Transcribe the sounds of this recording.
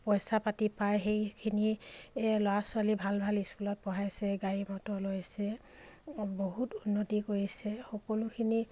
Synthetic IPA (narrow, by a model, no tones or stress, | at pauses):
pɔjsapatipajxejkʰini | lɔwasʊalibʱalbʱaliskulɔt̚pɔɦajsɛɡaimɔtɔlojsɛ | boɦutunːotikoɹisɛxɔkɔlʊkʰini